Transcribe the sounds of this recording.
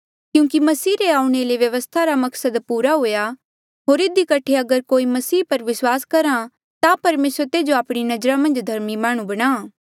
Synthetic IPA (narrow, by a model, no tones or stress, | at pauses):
kjũːkimɐsiːɾeaːũɽ̃eleʋjɐʋəst̪ʰaɾamɐksəd̪puːɾaɦoːja | ɦoːɾɪd̪ikɐʈʰeɐɡəɾkoːimɐsiːpɐɾʋɪswaːskɐɾã | t̪apɐɾmeːsət̪eːd͡ʒoaːpɽ̃inɐd͡ʒɾamɐ̃nd͡ʒd̪ʱɐɾmimaːɽ̃ũbɐɽ̃aː